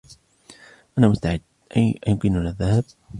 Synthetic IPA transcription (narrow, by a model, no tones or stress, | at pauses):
ʔanaːmʊst̪aʕɪd̪ | ʔaʔajʊkɪnalaðːahab̚